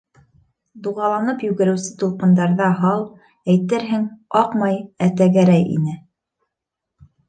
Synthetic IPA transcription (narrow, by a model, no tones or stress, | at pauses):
d̪uʁɑlˠɑnɤpjɵ̆ɡɘ̆ɾɘ̆wsɘ̥t̪ulˠqɤ̆nd̪ɑɾðɑɦɑlˠ | æjt̪ɘɾɦɘŋɑqmɑjæt̪æɡæɾæjḭnɘ